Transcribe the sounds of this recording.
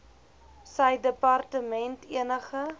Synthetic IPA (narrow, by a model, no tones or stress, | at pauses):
səjdəpɐrtəmɛntiənəχə